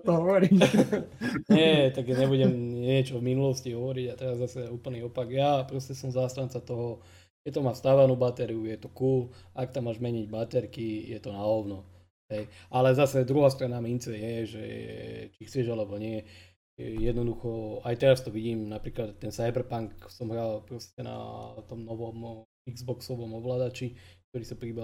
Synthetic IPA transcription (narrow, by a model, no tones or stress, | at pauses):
t̪ɔɦɔʋɔɾi | ɲɛt̪aɡɲɛbuɟɛmɲɪɛt͡ʃɔvminulɔsciɦɔʋɔɾiɟat̪ɛɾazːasɛuːpl̩niɔpaɡjapɾɔscɛsɔmzaːst̪ant͡sat̪ɔɦɔ | kɛct̪amaːst̪aʋanubat̪ɛɾiujɛt̪ɔkuːlakt̪amːaːʒmɛɲiɟbat̪ɛɾkijɛt̪ɔnaɔʋnɔ | ɦɛjʔalɛzasɛd̪ɾuɦaːst̪ɾanamint͡sɛjɛʒɛ̰t͡ʃixt͡sɛʒalɛbɔɲɪɛ | jɛd̪nɔd̪uxɔajt̪ɛɾast̪ɔʋiɟiːmnapɾiːklat̪ːɛnsajbɛɾpaŋksɔmɦɾalpɾɔscɛna̰t̪ɔmnɔʋɔm | iɡzbɔksɔʋɔmɔʋlad̪at͡ʃik̚t̪ɔɾiːsapɾibɛ